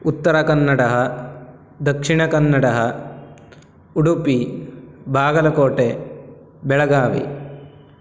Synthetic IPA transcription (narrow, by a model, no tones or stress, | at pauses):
ut̪ːɐɾɐkɐnːɐɽɐɦɐ | d̪ɐkʂiɳɐkɐnːɐɽɐɦɐ | uɽupi | bʱaːɡɐlɐkoːʈe | bɛɭɐɡaːʋḭ